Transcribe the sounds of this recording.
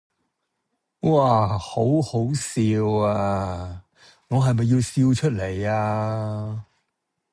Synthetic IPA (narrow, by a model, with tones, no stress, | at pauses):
wʔaː˨˩ho˨˥who˨˥wsiː˧waː˧ | ŋɔː˨˧ɦɐ˨jmɐ˨jːiː˧wsiː˧wt͡ʃʰɵ˥t̚le˨˩jaː˧